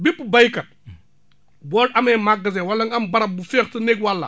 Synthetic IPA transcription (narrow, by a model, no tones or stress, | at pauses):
bipːubɐjkɐt̚ | bɔːlɐmɛmaɡːɐz̬ɛwɐlːɐŋɐmbɐɾɐbufɛːxtɐnekwɐlːɐ̰